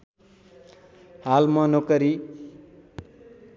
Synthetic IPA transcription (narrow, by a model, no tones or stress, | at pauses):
halmʌnokʌɾi